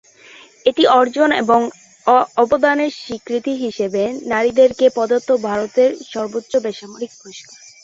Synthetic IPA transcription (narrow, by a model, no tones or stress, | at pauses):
eʈiʔɔɾd͡ʑonḛboŋ | ɔbod̪aneɾʃikɾit̪iɦiʃebenaɾid̪eɾkepɔd̪ot̪ːobʱaɾot̪eɾʃɔɾbotːɕobeʃamoɾik̚bʰʱoʃka